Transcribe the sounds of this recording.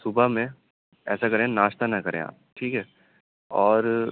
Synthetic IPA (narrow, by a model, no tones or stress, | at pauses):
sʊbamẽ | ɛːsakɐɾẽnaːʃt̪anɐkɐɾḛ̃a̰ːp̚ʈʰiːkɦɛː | ɔːɾ